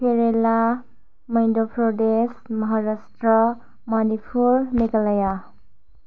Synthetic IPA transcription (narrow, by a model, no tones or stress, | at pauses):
pʰeɾela | mʌjndopʰɾodesmʌɦaɾasʈɾʌ | manipʰuɾnekʌlaja